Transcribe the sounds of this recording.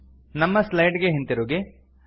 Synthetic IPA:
nɐmːɐslɐjɖɡeɦent̪iɾuːɡe

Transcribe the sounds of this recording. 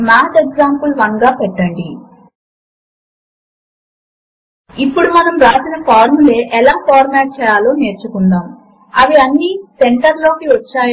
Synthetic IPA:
maːt̪eɡzaːmpulʋɐŋɡaːpɛʈːɐɳɖi | ipːuɽumɐnɐmɾaːsinɐpaːɾmule̞ːʔɛlaːpaːɾmaːʈ̚t͡ʃɛːjaːloːneːɾt͡ʃukund̪aːm | ɐʋiɐnːiːseɳʈɐɾlo̞ːkiʋɐt͡ʃːaːj

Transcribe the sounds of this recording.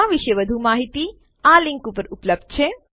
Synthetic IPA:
aːʋiʃjɐʋɐd̪ʱumaːɦit̪i | aːliŋkupəɾupləb̚d̪̚t͡ʃʰe

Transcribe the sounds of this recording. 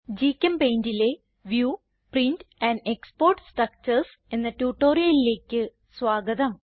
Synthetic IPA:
d͡ʑiːkʲːɐmpejndile̞ | ʋjuː | printænɖekspo̞ːrʈsʈrɐk̚t͡ɕɐrs | enːɐtuːʈːo̞ːɾijɐlile̞ːkʲːɨ | sʋaːɡɐd̪ɐm

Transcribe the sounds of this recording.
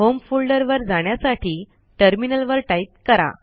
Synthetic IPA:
ɦomfulɖəɾʋəɾd͡zaɳ̃jasaʈʰiː | ʈəɾminəlʋəɾʈait̪̚kəɾa̰

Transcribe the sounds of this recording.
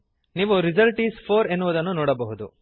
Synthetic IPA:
niːʋuɾizɐlʈiːspʰoːɾe̞nːuʋud̪ɐnːunɔːɽɐbɐɦud̪u

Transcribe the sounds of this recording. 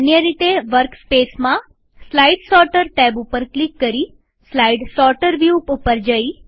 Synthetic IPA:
ənjəɾit̪eʋəɾkspesmã | slaiɖsɔɾʈəɾʈɛbupəɾklikːəɾi | slaiɖsɔɾʈəɾʋjupupəɾd͡ʒəi

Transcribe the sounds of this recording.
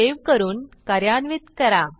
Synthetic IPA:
eʋkəɾuːnkəɾjanʋit̪kəɾa

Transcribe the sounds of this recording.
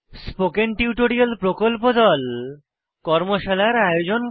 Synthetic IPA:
spokenʈiuʈoɾialpɾokolpod̪ɔl | kɔɾmoʃalaɾajod͡ʑon

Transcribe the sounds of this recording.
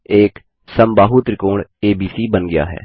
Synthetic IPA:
eːk | sɐmbaːɦut̪ɾɪkoːɽeːbiːsibənɡɐja̰ːɦɛ̰ː

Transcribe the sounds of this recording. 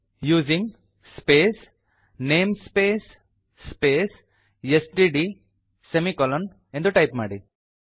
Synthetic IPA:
juːzĩŋ | speːs | nẽːmspeːsː | peːs | esɖiːɖi | semikɔlə̃n | ɛ̃ɳɖd̪uʈaɪpmaɖi

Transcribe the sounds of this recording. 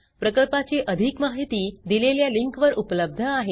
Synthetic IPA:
pɾəkəɭpat͡ɕiʔəd̪ʱikmaɦit̪iːd̪ileljaliŋkʋəɾʔupləb̚d̪ʱəaɦe

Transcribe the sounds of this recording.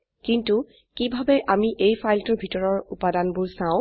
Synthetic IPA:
kintu | kibʱabɛʔamiʔejpʰajltʊɹbʱitɔɹɔɹupadanbʊɹsãʊ̃

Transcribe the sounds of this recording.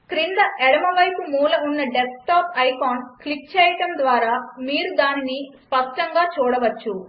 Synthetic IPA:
kɾind̪ɐʔɛɽɐmɐʋɐjpumuːlɐunːɐɖesk̚ʈaːpɐjkaːnklip̚t͡ʃɛːjɐʈɐmd̪ʋaːɾaːmiːɾud̪aːninispɐʂʈɐŋɡaːt͡ʃuːɽɐʋɐt͡ʃːu

